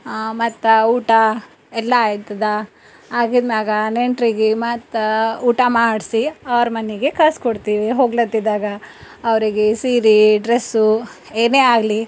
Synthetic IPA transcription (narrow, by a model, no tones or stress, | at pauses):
mɐt̪ːɐuːʈɐ | ɛlːɐːjt̪ɐd̪ɐ | aːɡid̪maːɡɐneɳʈɾiɡemɐt̪ːɐuːʈɐmaːɖsiɐʋɐɾɐmɐnːiɡekaːskoɽt̪iːʋiɦoːɡlɐt̪ːid̪aːɡɐː | ʋɐɾiɡesiːɾiɖɾesu | eːneːaːɡli